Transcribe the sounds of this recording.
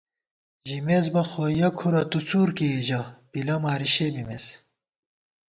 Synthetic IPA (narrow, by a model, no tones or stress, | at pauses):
ʒimezbɐxojɐkʰuɾɐt̪ut͡suːɾkeʑɐbilɐmaːɾiɕebimes